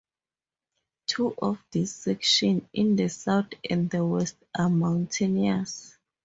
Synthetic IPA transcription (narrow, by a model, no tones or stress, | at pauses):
tʰuʔɔfdisɛkʃɔ̃nĩndəsawtɛ̰̃nddəwɛst̚amãwntʰenias